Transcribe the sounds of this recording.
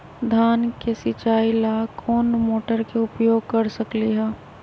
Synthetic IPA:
d̪ʱaːnkesɪt͡ʃaːilaːkʰoːnmoːʈəɾkeʊpjoːɡ̚kəɾsəkliɦɛː

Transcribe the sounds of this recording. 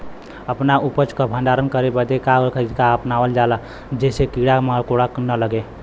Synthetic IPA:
əpnaʔupət͡ʃkəbʱə̃nɖaɾənkəɾebəd̪ekaɾəkʰəd͡ʒkaəpnawəld͡ʒala | d͡ʒesekiɽaməkoɽaknələɡe

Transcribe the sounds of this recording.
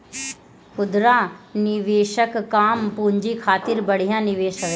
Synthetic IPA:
kʊd̪ɾaːnɪʋeːʃəkkːaːmpuːɲd͡ʒikʰaːt̪ɪɾbəɽ̤ijãnɪʋeːʃək

